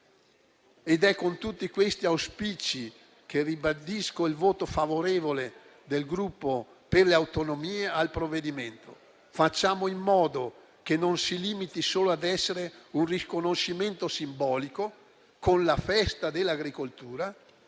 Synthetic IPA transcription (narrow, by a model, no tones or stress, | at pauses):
ed̪ɛkːont̪ut̪ːikwest̪iawspit͡ʃi | k̟eribad̪iskoilvoːt̪ofavoɾeːvole | d̪elɡɾupːo | perleawt̪onomiːealpɾovːed̪iment̪o̰ | fat͡ʃːaːmoimːɔːd̪o | k̟enonsiliːmit̪isoːload̪ɛsːeɾeunrikonoʃiment̪osimbɔːliko | konlafɛst̪ad̪elːaɡɾikolt̪uːɾa